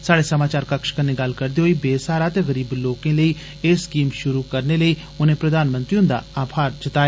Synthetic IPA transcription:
saːɽeːsəmaːt͡ʃaːɾkəkʃkənːeɡəlkəɾd̪eːɦoːiːbeːsaːɾaːt̪eːɣəɾiːbloːkẽːləiː | eskiːmʃʊɾuːkəɾneləiː | ʊnẽːpɾəd̪ʱaːnmə̃nt̪ɾiʊ̃nd̪a̰ːaːpʰaːɾt͡ʃət̪aːeː

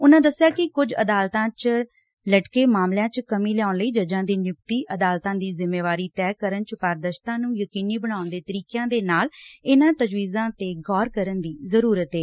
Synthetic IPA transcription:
ʊnãːd̪əsːɪjaːkɪkʊd͡ʒə̰d̪aːlt̪ãːt͡ʃ | ləʈkeːmaːmljãːt͡ʃkəmĩːlɛjaːʊnləiːd͡ʒəd͡ʒãːd̪iːnjʊk̚t̪iːʔəd̪aːlt̪ãːd̪iːzɪmːeːʋaːɾiːt̪ɛːkəɾənt͡ʃpaːɾd̪əʃt̪ãːnũːjəkiːniːbəɽ̃aːʊnd̪eːt̪əɾiːkjãːd̪eːnaːlɪnãːt̪əd͡ʒʋiːzãːt̪eːɡɔːɾkəɾənd̪iːzəɾuːɾət̪ɦeː

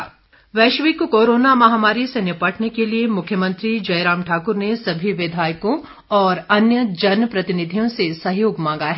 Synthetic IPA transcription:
ʋɛːʃʋikokoːɾoːnamɐɦaːmaːɾisenɪpɐʈʰnekeliemʊkʰjəmɐ̃nt̪ɾid͡ʒɐjɾãːmʈʰaːkʊɾnesɐbʱiʋɪd̪ʱaːjkõ | ɔːɾɐnjəd͡ʒɐnpɾɐt̪ɪnɪd̪ʱijõsesɐɦjoːɡmãːŋɡaɦɛ

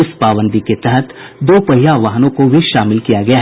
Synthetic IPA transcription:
ɪspaːʋə̃nd̪iket̪ɛɦət̪ | d̪oːpɐɦijaʋaːɦnõkobʱiʃaːmɪlkijaɡɐjaɦ

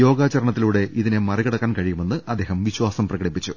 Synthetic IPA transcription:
jo̞ːɡaːt͡ɕɐɾɐɳɐt̪ːiluːɽe̞ʔiðine̞mɐrikɐɽɐkːaːnkɐɻijume̞nːɨɐd̪ːeːɦɐmʋiɕwaːsɐmprɐɣɐɽipːit͡ɕːu

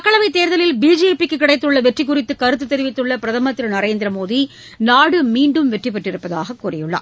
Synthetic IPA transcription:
ɐkːɐɭɐʋɐɪt̪ːeːɾðɐlɪlbiːd͡ʒeːpikːɯkːɪɽɐɪt̪ːɯɭːɐʋɛʈrɪk̬ːʊrɪt̪ːɯkɐɾɯt̪ːɯt̪ːɛɾɪʋɪt̪ːɯɭːɐpɪɾɐðɐmɐt̪ːɪɾɯnɐɾeːnd̪ɪɾɐmoːði | naːɽɯmiːɳɖɯmʋɛʈripːɐʈrɪɾɯpːɐða̰ːɣɐkːuːrɐjɯɭːɐ̰

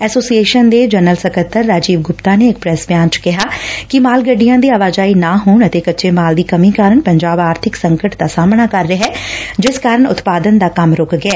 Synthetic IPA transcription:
ɛːsoːsieːʃənd̪eːd͡ʒənəlsəkət̪ʰːəɾːaːd͡ʒiːʋɡʊpt̪aːneːɪk̚pɾɛsbjaːnt͡ʃkɪɦaːkɪmaːlɡəɖːijãːd̪iːaːʋaːd͡ʒaːiːnaːɦoːɳət̪eːkətːʃeːmaːld̪iːkəmĩːkaːɾəɳpəɲd͡ʒaːbaːɾt̪ʰɪksə̃ŋkəʈd̪aːsaːmɳaːkəɾːəɦɛːd͡ʒɪskaːɾəɳʊ̰t̪paːd̪ənd̪aːkəmɾʊkɡɛː

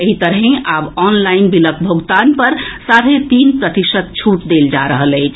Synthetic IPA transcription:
eɦit̪əɾɦẽʔabɔnlainbilək̚bʱoɡt̪anpəɾsaɾɦet̪inpɾət̪isət̪̚t͡ʃʰuʈd̪eld͡ʒaɾəɦələɪt͡ʃʰ

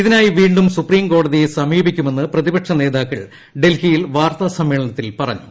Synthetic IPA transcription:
iðinaːjiʋiːɳɖumsupriːmko̞ːɽɐðijesɐmiːbikʲːume̞nːɨprɐðibɐʈʂɐne̞ːðaːkːɐ̰ɭ | ɖe̞lhijilʋaːrt̪ɐsɐmːiːɭɐnɐt̪ːilpɐrɐ̰ɲːṵ

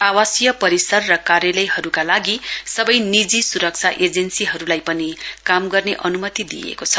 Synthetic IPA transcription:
awasjʌpʌɾisʌrːʌkarjʌlʌjɦʌɾukalaɡisʌbʌjnid͡zisuɾʌk̚t͡sʰaʔed͡zensiɦʌɾulajpʌnikamɡʌrneʔʌnumʌt̪id̪ḭjḛkot͡sʰʌ̥

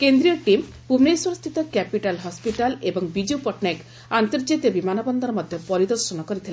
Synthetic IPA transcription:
kend̪ɾijɔʈim | pubneswɔɾɔst̪ʰit̪ɔkɛpiʈalɦɔspiʈalebɔŋbid͡ʒiupɔʈnek | ant̪ɔɾd͡ʒit̪jɔbimanɔbɔnd̪ʱɔɾɔmɔd̪ʱjɔpɔɾid̪ɔɾʃɔnɔkɔɾit̪ʰile

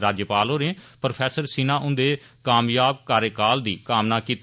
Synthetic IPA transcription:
ɾaːd͡ʒjəpaːloːɾẽːpɾopʰɛːsəɾsinãːʔʊnd̪eː | kaːmjaːb̚kaːɾəkaːld̪ḭːkaːmnaːkiːt̪

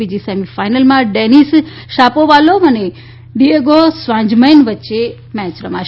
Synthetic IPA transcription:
id͡ʒisemifajnəlmãɖenis | ʃapoʋaloəne | ɖieɡosʋãɲd͡ʒməjnʋətːʃe | mɛ̃t͡ʃɾəmaʃ

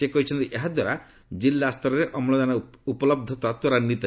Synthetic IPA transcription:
ekɔɦit͡ʃʰɔnt̪iʔeɦad̪waɾa | d͡ʒilːast̪ɔɾɔɾeʔɔmlɔd̪ana | upɔlɔb̚d̪ʱɔt̪at̪waɾanit̪

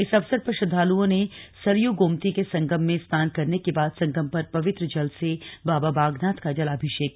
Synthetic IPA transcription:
ɪsɐʋsəd̪̚pɐʃʊd̪ʱːaːluõnesɐɾjuɡoːmt̪ikesɐ̃ŋɡəmːẽst̪ʰaːnkɐɾnekebaːd̪sɐ̃ŋɡəmpɐɾpɐʋɪt̪ɾəd͡ʒɐlsebaːbabaːɡnaːt̪kad͡ʒɐlaːbʱɪʃeːk

